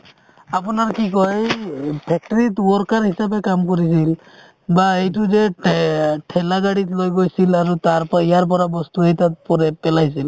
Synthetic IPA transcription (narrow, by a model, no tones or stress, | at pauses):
ap̬unaɹkikɔjpʰɛk̚ʈɔɹitɔɾkaɹhisapekamkɔɹis̬il | baejtuzɛ | ʈʰɛlaɡaɽitlojɡojsilaɹutaɹpijaɹp̬ɔɹabɔst̪uejtat̚pɔɾɛpɛlajs̬il